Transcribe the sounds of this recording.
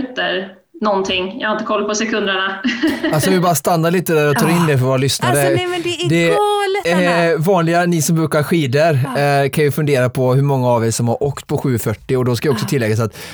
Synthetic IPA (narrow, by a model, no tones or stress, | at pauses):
t̪əɾ | nɔnt̪ʰɪŋjɑ̰haɾɪnt̪əkʰɔlːpʰɔsɛkʰɵnd̪əɳaalssɔvɪbɑːɾast̪anːaɾɭiːt̪əd̪æːɾɔt̪ʰɑːɾɪnːd̪ɛfœɾvoːɾalʏsnaɾəd̪ɛlvɑːnlɪɡanɪsɔmbɾʉːkaɾɧiːd̪əɾkʰanjɵfɵnd̪eːɾapʰɔɦɵɾmɔŋːaːvɛjsɔmhaɾʔoːkt̪pʰɔɧʉ̟ːfœʈːɪɔd̪ɔskavɪɔksɔt̪ʰɪlːɛɡːasat̪